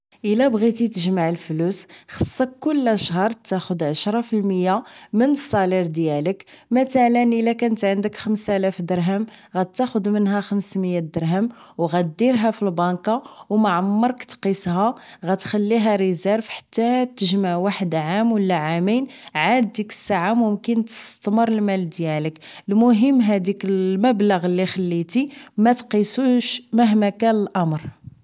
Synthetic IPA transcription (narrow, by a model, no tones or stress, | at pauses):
ʔəlæbɣit̪it̪əʒmaʕəlflusxəsˤːɑkːʊlːʔæʃɦɑɾˤt̪ːæxʊd̪ʕaʃɾˤɑfilməjːamənəsˤːɑliɾd̪jæləkmæt̪ælənʔəlækænət̪ʕənd̪əkxəmsælæfd̪əɾɦəmɣæt̪ːæxʊd̪mənɦæxəmsməjːæd̪əɾɦəmwɣæd̪iɾɦæfilbɑnkɑwmaʕamːɑɾˤkt̪qishɑ | ɣæt̪xælːiɦæɾizæɾfħḁt̪ːæt̪ːəʒmaʕwaħəd̪ʕamwəlːæʕaminʕad̪ːikə̥sːaʕamʊmkənt̪ə̥st̪məɾˤəlmæld̪jæləklmʊɦəmːɦæd̪ikəməbləɣəlːixəlːit̪imæt̪qisuʃmæɦmækænəlʔɑmɾˤ